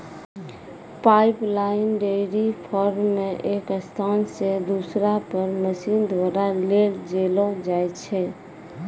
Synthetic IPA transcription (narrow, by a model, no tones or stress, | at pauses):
paɪplaɪnɖeɽipʰɔɾmmːẽʔekəst̪ʰansed̪usɾapəɾməsind̪waɾaleld͡ʒelɔd͡ʒaɛt͡ʃʰɛ